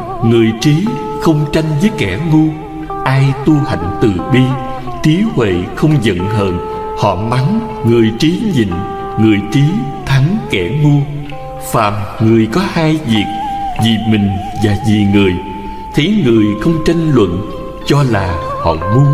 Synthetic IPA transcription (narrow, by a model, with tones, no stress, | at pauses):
ŋɨ˨˩əjt͡ɕi˨˦ | xə˧wŋ͡mt͡ɕa˧jŋ̟vəː˨˦jkɛ˧˩ŋu˧ | ʔaː˧jt̪u˧ha̰˧˨jŋ̟t̪ɨ˨˩ɓi˧ | t͡ɕi˨˦hwḛ˧˨xə˧wŋ͡mzə̰˧˨nɦəː˧˨˩n | hɔ̰˧˨ma˨˦n | ŋɨ˨˩əjt͡ɕi˨˦ɲḭ˧˨ŋ | ŋɨ˨˩əjt͡ɕi˨˦t̪ʰa˨˦ŋkɛ˧˩ŋu˧ə | faː˨˩mŋɨ˨˩əjkɔ˨˦haː˧jvi˨˩ək̚zi˨˩mï˨˩ŋ̟vaː˨˩zi˨˩ŋɨ˨˩əj | t̪ʰə˨˦jŋɨ˨˩əjxə˧wŋ͡mt͡ɕa˧jŋ̟lwə̰˧˨n | t͡ɕɔ˧laː˨˩hɔ̰˧˨mu˧ə